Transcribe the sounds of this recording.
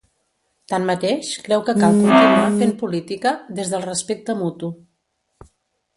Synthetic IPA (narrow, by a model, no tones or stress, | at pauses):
t̪ammət̪eʃkɾɛwkəkalˠkunt̪inuafempulit̪ikəðezðəlˠrəspek̚t̪əmut̪u